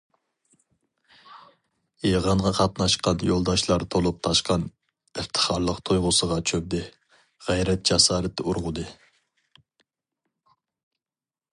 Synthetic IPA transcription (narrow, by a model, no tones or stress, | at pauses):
jeʁɑɴʁɑqʰɑt̪nɑʃqɑnjolˠd̪ɑʃlˠɑɾt̪ʰolˠup̚t̪ʰɑʃqɑn | ɨft̪ʰə̥χɑɾlˠəqt̪ʰojʁʊsəʁɑt͡ʃʰøb̚d̪ɪ | ʁɛjɾɛt̪̚d͡ʒ̥ɑsɑːɾɛt̪ʰːɛuɾʁʊd̪ɨ